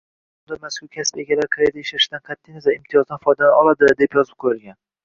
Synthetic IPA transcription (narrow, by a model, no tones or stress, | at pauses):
ʊnd̪amaskʊɾkʲʰasɪ̥pe̞ɡʲalaɾkʰaɾejd̪aʃaɾɪʃɪd̪anqʰɑt̪ʰːijnasaɪmt̪ʰɪjɒzd̪anfɒjd̪alaɒlˠad̪ɪd̪e̞pjɒzɪp̚qʰojɪlˠɡʲan